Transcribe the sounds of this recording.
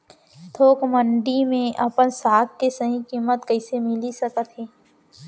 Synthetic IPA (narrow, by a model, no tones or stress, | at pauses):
t̪ʰoːkmə̃ɳɖimẽʔɐpənsaːkkesəɦĩkiːmət̪kɐɪsemɪlisəkət̪ɦeː